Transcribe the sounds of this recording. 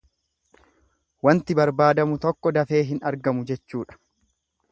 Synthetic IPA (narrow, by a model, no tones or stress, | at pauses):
wɐnt̪ɪbɐɾbaːd̪ɐmʊt̪ɔkːɔd̪ɐfe̞ːɦɪnɐɾɡɐmʊd͡ʒɛt͡ʃːuːᶑɐ̥